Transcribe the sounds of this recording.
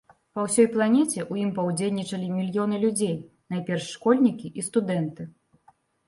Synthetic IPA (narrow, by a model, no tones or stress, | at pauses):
pɐwsʲɔjplˠanʲɛt͡sʲɛʔujimpɐwd͡zʲelʲnʲit͡ʂɐlʲimʲilʲjɔnɨlʲud͡zʲej | najpʲɛrʂːkɔlʲnʲikʲiʔist̪ud̪ɛnt̪ɨ